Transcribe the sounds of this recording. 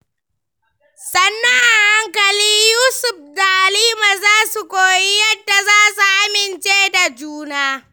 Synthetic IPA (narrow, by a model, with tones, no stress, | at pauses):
sɐ˦nːɐ˦ŋʔa˨ha˦ŋkɐ˨liː˦juː˦sʊ˨ɸdaː˨liː˦ma˨zaː˦su˨kʷoː˨ji˦jɐ˦dːa˨zaː˦su˨ʔa˦mɪ˨nt͡ʃeː˦da˨d͡ʒuː˦naː˦